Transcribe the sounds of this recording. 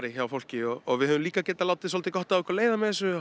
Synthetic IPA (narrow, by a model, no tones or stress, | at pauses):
ɾɪçawfowl̥cɪɔɔɣvɪðhœvʏmliːkacɛːt̪alaːwt̪ɪsɔlt̪ɪkɔht̪aðɛhkaɾleːjðamɛθɛsːʏ